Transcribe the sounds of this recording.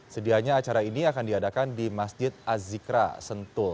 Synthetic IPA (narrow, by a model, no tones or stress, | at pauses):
sədiaɲaːt͡ʃaɾainiakandiadakandimasd͡ʒɪt̪̚azikɾa̰sənt̪ʊl